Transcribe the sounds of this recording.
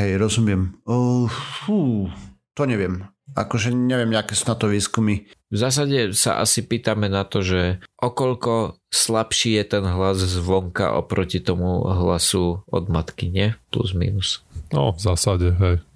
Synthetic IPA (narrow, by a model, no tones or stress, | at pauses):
ɦɛjɾɔzumɪɛm | fuːt̪ɔɲɛʋɪɛm | a̰kɔʒɛɲɛʋɪɛmɲakɛːsunat̪ɔʋiːskumivzaːs̬aɟɛsa̰ʔa̰sipiːt̪amɛnat̪ɔʒɛʔɔkɔʎkɔslapʃiːjɛt̪ɛnɦlazzʋɔŋka̰ʔɔ̰pɾɔcit̪ɔmuɦlasuɔ̰d̪mat̪kiɲɛplṵzmḭːnusɔ̰vzaːsaɟɛɦɛj